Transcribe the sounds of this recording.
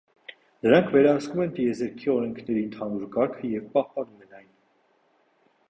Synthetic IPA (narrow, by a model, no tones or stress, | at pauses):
nəɾɑŋkʰvɛɾɑɦəskumɛnt̪ijɛzɛɾkʰiɔɾɛŋkʰnɛɾiənt̪ʰɑnuɾkɑɾkʰəjɛvpɑhpɑnumɛnɑjn